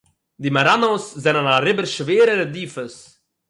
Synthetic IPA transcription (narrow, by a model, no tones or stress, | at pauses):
d̪imaɾanoszɛnənaɾɪbəɾʃveːɾəɾəd̪iːfəs